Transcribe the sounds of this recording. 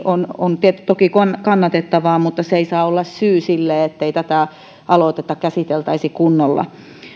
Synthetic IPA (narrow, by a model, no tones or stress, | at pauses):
onont̪iet̪ːyt̪okikonkɑnːɑt̪et̪ːɑʋɑːmut̪ːɑseisɑːolːɑssyːsilːeːet̪ːeit̪æt̪æˑ | ʔɑloˑt̪et̪ːɑkæsit̪elt̪ɑisikunːolːɑ̰